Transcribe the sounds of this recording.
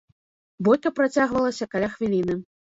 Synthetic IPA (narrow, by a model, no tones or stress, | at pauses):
bɔjkɐpɾat͡sʲaɣvɐlˠɐsʲɐkalʲaxvʲilʲinɨ